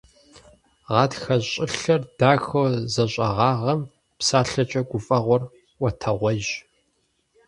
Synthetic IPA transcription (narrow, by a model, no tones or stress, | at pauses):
ʁɑːdxɐɕʼɪɬɐrd̥aːxowzɐɕʼɐ̰ʁɑːʁɐm | psaːɬɐt͡ʃʼɐɡʷʊfʼɐʁʷɔr | wɔtʰɐʁʷɔʒ